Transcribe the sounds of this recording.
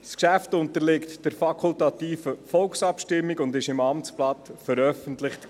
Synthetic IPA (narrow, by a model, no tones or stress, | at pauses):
skʃæftʊntəɾlɪktd̥əɾfɑkʰʊltɑt̪iːfəfɔlksɑpʃtɪmːiɡʊndɪʃɪmɑmtt͡splɑt̪fəɾœfəntlɪχt